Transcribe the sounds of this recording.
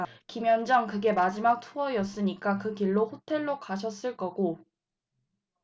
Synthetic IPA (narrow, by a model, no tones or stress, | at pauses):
kimjʌnd͡ʑʌŋkɯɡe̞mad͡ʑimak̚tʰuʌjʌs͈ɯɲik͈akɯkiɭːoɸotʰe̞ɭːokaɕʰʌs͈ɯɭk͈ʌɡo